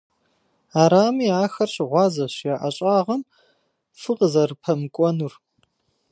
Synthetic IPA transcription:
aːɾaːmiːaːxɐrɕɪʁʷɑːzɐɕjaːʔɐɕʼaːʁɐm | fɨqəzɐrɨpʰɐmɨkʷʼɔnur

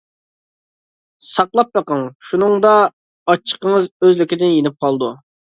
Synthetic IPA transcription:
sɑqlˠɑp̚bəqəŋʃunɨŋd̪ɑ | ɑt͡ʃʰːə̥qəŋəzøzlɪkʲɪd̪ɪnjenɪp̚qʰɑlˠd̪u

